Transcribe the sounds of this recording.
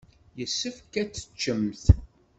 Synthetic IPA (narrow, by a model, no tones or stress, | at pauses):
jəsːəfkæt͡sːə̥t͡ʃːəmθ